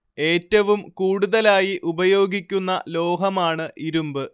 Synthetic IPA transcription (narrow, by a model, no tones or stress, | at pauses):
e̞ːtːɐʋumkuːɽuðɐlaːjiʔubɐjo̞ːɡikʲːunːɐlo̞ːɦɐmaːɳɨʔiɾumbɨ